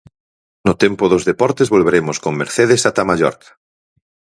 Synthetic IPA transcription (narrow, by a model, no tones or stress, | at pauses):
nʊt̪empʊðozðepɔɾt̪ezβolβeɾemʊskoŋmḛɾθeðesat̪amaʎɔ̰ɾkʰḁ